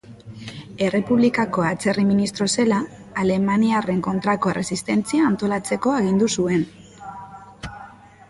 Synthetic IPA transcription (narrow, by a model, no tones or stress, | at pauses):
e̞re̞puβlikako̞at͡se̞riminist̪ɾo̞se̞laː | le̞maniare̞ŋko̞nt̪ɾako̞ere̞sist̪e̞nt͡siaːnt̪o̞lat͡se̞ko̞aɣ̞ind̪usue̞n